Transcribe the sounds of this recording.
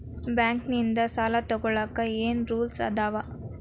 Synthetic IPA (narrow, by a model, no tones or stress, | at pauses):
bjaːŋknind̪ɐsaːlat̪ɔɡɔɭaːkːɐeːnɾuːlsɐ̰d̪aːʋɐ